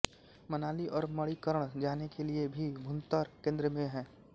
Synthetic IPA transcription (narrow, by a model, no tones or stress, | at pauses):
mɐnaːliʔɔːɾmɐɽikəɾəɽ̃d͡ʒaːnekeliebʱibʱʊ̃nt̪aːɾkẽːnd̪ɾəmẽɦɛ̃ː